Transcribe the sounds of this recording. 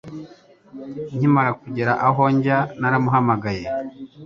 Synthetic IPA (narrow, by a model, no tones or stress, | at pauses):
ɲimaɾakuɟeɾaʔaɦoɲɟanaɾamuɦamaɡaje